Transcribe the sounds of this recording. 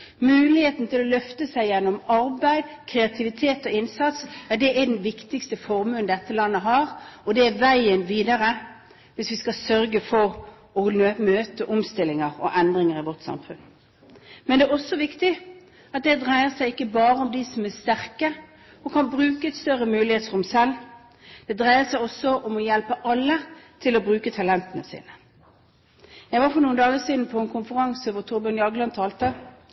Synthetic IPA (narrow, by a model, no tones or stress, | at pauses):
mʉːlɪheːt̪n̩t̪ʰɪlɔlœft̪əsæɪjɛnːɔmɑɾbæɪd̪kʰɾɛɑt̪ʰɪʋɪt̪ʰeːt̪ɔɪnsɑt̪sæɖ̪ɛɛd̪ɛnʋɪkt̪ɪkst̪əfɔɾmʉːnd̪ɛt̪ːəlɑnːəɦɑːʁɔd̪ɛːʋæɪənʋiːd̪ɑɾə | ʋɪsʋɪskɑsœɾɡəfɔʁ | ɔømøːt̪əʔɔmst̪ɪlːɪŋəʁɔ̰ʔɛnd̪ʁɪŋəʁɪʋɔt̪sɑ̰mfʉn | mɛnd̪ɛæːʁɔsːɔʋɪkt̪ɪ | ɑt̪̚d̪ɛd̪ʁæɪəsæɪɪkːəbɑːɾəɔmd̪isɔmæʁst̪æʁkə | ɔkʰɑnbʁʉːkəɛt̪st̪œɾəmʉːlɪheːt̪sʁʊmsɛlː | d̪̥ɛd̪ʁæɪəsæɪɔsːɔʔɔmɔjɛlpəʔɑlːət̪ʰɪlɔbʁʉːkət̪ʰɑlɛnt̪ənəsḭːnə | jæɡʋɑːɾfɔɾnuːnd̪ɑːɡəsiːd̪n̩pʰɔɛnkʰʊnfəɾɑŋsəʋɔʁt̪ʰʊɾbənjɑɡəlɑnt̪ʰɑːlt̪ə